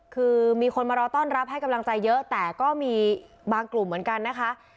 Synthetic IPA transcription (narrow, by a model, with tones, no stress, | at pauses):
kʰɯː˧miː˧kʰo˧nmaː˧ɾɔː˧t̪ɔː˥˩nɾa˦˥p̚ɦa˥˩jka˧mla˧ŋt͡ɕa˧jːɤ˦˥ʔt̪ɛː˨˩kɔː˥˩miː˧ | baː˧ŋklu˨˩mːɯ˩˦ənka˧nːa˦˥kʰa˦˥ʔ